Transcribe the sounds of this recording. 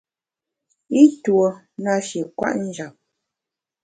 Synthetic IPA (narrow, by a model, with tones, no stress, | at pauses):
i˦two˨ | na˦ʃi˨kwa̰˦ʔn̩˦d͡ʒa˨p̚